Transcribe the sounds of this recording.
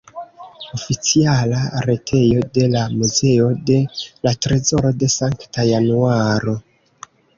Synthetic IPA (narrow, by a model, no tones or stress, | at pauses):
o̞fit͡sialaɾe̞tʰe̞jo̞de̞lamuze̞o̞de̞latɾezo̞ɾo̞de̞saŋktajanuaɾo̞